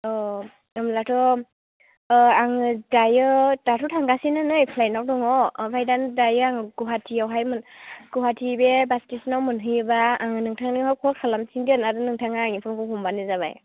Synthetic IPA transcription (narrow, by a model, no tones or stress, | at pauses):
ɔ | ɯmlatʰɔ | aŋɯdajɯd̥atʰɔtʰaŋɡasinanɯjpʰlajnawdɔŋɔbʰajdandajɯaŋɯɡuɦatʰiawɦajmɯnɡ̥uɦatʰibebastisnawmɯnɦɯjɯbaːŋɯnɯŋtʰaŋnɯŋhawkʰɔkʰalamsindiɯnaɾdɯnɯŋtʰaŋaːŋipʰɔmkʰɔɦɔmbanɯzaβa̰j